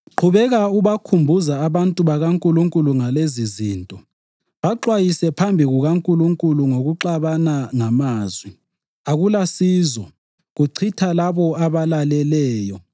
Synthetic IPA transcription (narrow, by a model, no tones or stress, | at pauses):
ǃʰuβɛɣauβakʰumbʱuzaːβantʼuβaɣaŋkʼuluŋkʼuluŋaleziziːntʼɔ | βaǃwajisɛpʰambʱiɣuɣaŋkʼuluŋkʼuluŋoɣuǃaβanaŋamaːzwi | aɣulasiːzɔ | ɣuǀʰitʰalaβɔaβalalɛlɛːjɔ